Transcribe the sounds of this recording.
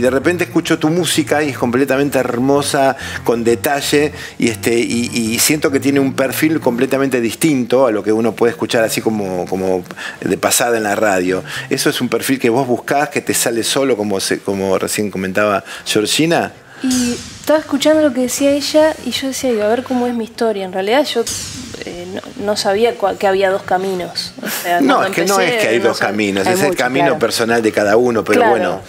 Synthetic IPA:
iðerepe̞nt̪eːhkut͡ʃo̞t̪umusikaie̞sko̞mplet̪amẽnt̪eeɾmo̞sa | ko̞nd̪et̪aʒe | ḭest̪eiʔisje̞nt̪oket̪je̞neumpeɾfilkomplet̪amẽnt̪e̞ðist̪int̪o̞alo̞ke̞uno̞pwe̞ðehkut͡ʃaɾasiko̞moko̞mod̪epasaðaenlaraðjo̞e̞so̞esumpeɾfilke̞βo̞zβuhkasket̪esaleso̞lo̞ko̞mosekomorḛsje̞ŋko̞ment̪aβaʃoɾʃina | it̪aβasehkut͡ʃand̪olokeðesiaeʒaiʒo̞ð̞esiaiβaβeɾkomoezmiːht̪o̞ɾjaenrealiðaðʒ̥o̞ḛno̰no̞saβ̞iakakeaβiað̞o̞hkamĩnoso̰seanoekenoeskeajðoskamĩnoseselkamĩnopeɾso̞nald̪ekaðauno̞peɾoweɾno̰

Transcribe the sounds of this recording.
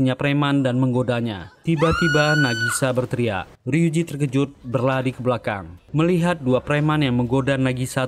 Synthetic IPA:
ɲapɾemandanməŋɡodaɲa̰t̪ibat̪ibanaɡisabərt̪ɾia̰ | riud͡ʒit̪ərkəd͡ʒʊt̪̚bərladikəblaka̰ŋməliɦat̪̚duapɾemanjaŋməŋɡodanaɡisa

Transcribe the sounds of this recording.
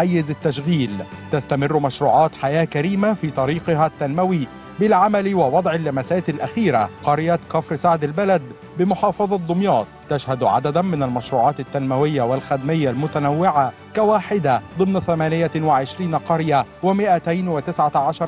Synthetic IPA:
ajːɪzat̪ːaʃɣiːlt̪ast̪amɪrːmaʃɾuːʕɑːt̪ħajæːkaɾiːmafiːt̪ˤɑɾiːqɪɦat̪ːanmawi | bɪlʕamalwɪwɑd̪ˤʕɪlːamæsæːt̪ɪlʔaxiːɾaqɑɾjakɑfɾsaʕd̪albalad̪ | bɪmʊħɑːfɑðˤɑd̪ˤʊmjɑːt̪̚ˤːaʃhad̪ʕa̰d̪ad̪mɪnalmaʃɾuːʕɑːt̪ɪt̪ːanmawɪjːawalxæd̪mɪjːalmʊt̪anawːɪʕa | kawaːħɪd̪ad̪ˤɨmnaθæmæːnɪjawaʕɪʃɾiːnqɑɾjawɪmɪʔat̪ajnwɪt̪ɪsʕaʕaʃɑɾˤ

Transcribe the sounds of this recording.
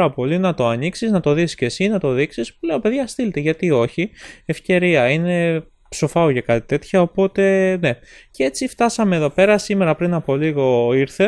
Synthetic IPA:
ɾɐpo̞linɐt̪o̞ɐniksiznɐt̪o̞ðisce̞sinɐt̪o̞ðiksispuleope̞ðʝɐst̪ilet̪eʝɐt̪io̞çiefce̞ɾiɐine̞ | pso̞fɐoʝɐkɐt̪i̥t̪e̞t̪çɐo̞po̞t̪e̞ne̞cee̞t͡sift̪ɐsɐme̞ːðo̞pe̞ɾɐsime̞ɾɐpɾinɐpo̞liɣo̞iɾθe̞

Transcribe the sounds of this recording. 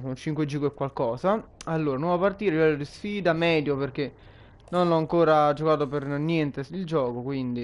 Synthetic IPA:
kont͡ʃiŋkwed͡ʒiːɡoɛkwalkɔːzaalːoːɾanwɔvapart̪iːɾelivɛlːod̪isfiːd̪amɛːd̪joperke | nonlɔaŋkoːɾad͡ʒokaːt̪opernjɛnt̪eild͡ʒɔːkokwind̪i

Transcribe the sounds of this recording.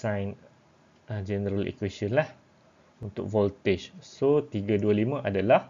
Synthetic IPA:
sãjn | əd͡ʒɛnəɾalḭkwesɔnlah | unt̪ʊ̰k̚vɔlt̪et͡ʃsot̪iɡaduəlimə̃ʔadalah

